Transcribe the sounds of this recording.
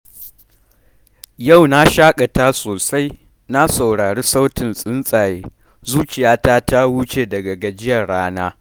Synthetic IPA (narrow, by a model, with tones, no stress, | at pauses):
ja˦˨wna˦ʃaː˦kʼa˨ta˦soː˨sa˦j | na˦sa˨wɽaː˨ɽeː˦sa˦wtɪ˨nsʼɪ˦nsʼaː˨jeː˨ | zuː˦t͡ʃɪ˨jaː˦ta˦ta˦wu˦t͡ʃeː˨dɐ˨ɡɐ˨ɡa˨d͡ʒɪ˦jɐ˨ɽaː˦naː˦